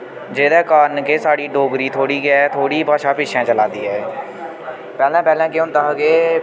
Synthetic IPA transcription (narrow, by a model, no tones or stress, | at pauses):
d͡ʒeːd̪ɛːkaːnkeːsaːɽiːɖoːɡɾiːt̪ʰoːɽiːɡɛt̪ʰoːɽiːpaːʃaːpɪːʃʰãːt͡ʃəlãːnd̪iːɦɛː | pɛːlɛ̃ːpɛːlɛ̃ːkɪʊ̃nd̪aːɦəɡeː